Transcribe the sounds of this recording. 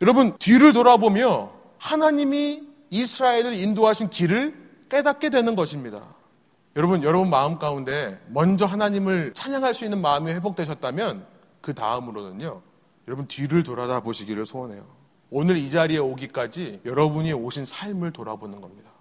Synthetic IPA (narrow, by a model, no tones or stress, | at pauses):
jʌɾʌbɯntɥiɾɯɭt̬oɾabomjʌ | hanaɲimiː | sʰɯɾaeɾɯɾindoɦaɕʰinkiɾɯɭ | k͈e̞dat̚k͈e̞dwe̞nɯnɡʌɕʰimɲida̰ | jʌɾʌbɯnjʌɾʌbunmaɯmk͈aunde̞mʌnd͡ʑʌɦanaɲimɯɭt͡ɕʰaɲaŋɦaɭs͈uinːɯnmaɯmiɸwe̞bok̚t͈we̞ɕʰʌt̚t͈amjʌn | kɯta̰ɯmɯɾonɯɲo | jʌɾʌbuɯntɥiɾɯɭtoɾadaboɕʰiɡiɾɯɭsʰoane̞̰jo | onɯɾid͡ʑaɾie̞oɡik͈ad͡ʑijʌɾʌbuɲioɕʰinsʰaɭmɯɭtoɾa̰bonɯnɡʌmɲida